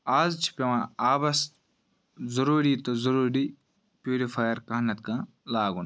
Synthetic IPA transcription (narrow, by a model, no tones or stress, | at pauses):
aːzt͡ʃʰi̥pʲeʋãːaːbɐs | zɐɾuːɾiːt̪ozɐɾuːɾiː | pʲjuːɾifʰaːjɐɾkɐɦnɐt̪̚kãː | laːɡun